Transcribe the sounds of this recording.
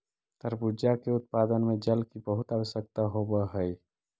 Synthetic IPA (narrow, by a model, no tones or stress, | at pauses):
t̪əɾbud͡ʒakeʊt̪̚paːd̪ənmẽd͡ʒəlkibəɦʊt̪aʋəʃjək̚t̪aɦobəɦəi